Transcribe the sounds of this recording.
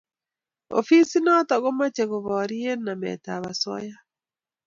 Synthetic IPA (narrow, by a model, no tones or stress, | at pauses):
o̰fisinatɔɣomat͡ʃeɣoβɔɾienamɛ̰taβasɔ̰ja